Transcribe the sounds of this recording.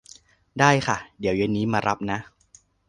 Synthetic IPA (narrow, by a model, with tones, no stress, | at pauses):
daː˥˩jkʰa˥˩di˨˩˦əwje˧nːiː˦˥maː˧ɾʔa˦˥p̚na˦˥ʔ